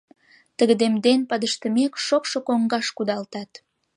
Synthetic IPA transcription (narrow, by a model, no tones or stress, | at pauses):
t̪əɣəd̪emd̪enpɑd̪əʃt̪əmekʃokʃokoŋɡɑʃkud̪ɑlt̪ɑt̪